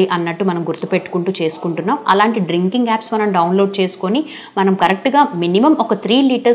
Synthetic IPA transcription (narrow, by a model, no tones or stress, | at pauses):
iʔɐnːɐʈːumɐnɐmɡuɾt̪upe̞ʈːu̥kuɳʈut͡ʃe̞ːsu̥kuɳʈunːaːmɐ̰laːɳʈiɖɾiŋkiŋɡaːpsmɐnɐmɖɐwnlo̞ːɖ̚t͡ʃe̞ːsu̥ko̞ni | mɐnɐmkɐɾek̚ʈɡaːminimɐmɔkɐt̪ʰɾiːliːʈɐ